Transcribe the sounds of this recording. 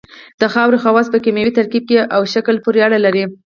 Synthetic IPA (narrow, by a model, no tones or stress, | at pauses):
d̪̥əxɑwɾexawɑspəkamjewit̪aɾkib̚keʔawʃakəlpuɾeaɽalaɾi